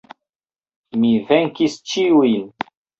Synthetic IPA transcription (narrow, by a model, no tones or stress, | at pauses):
miveŋkist͡ʃiujn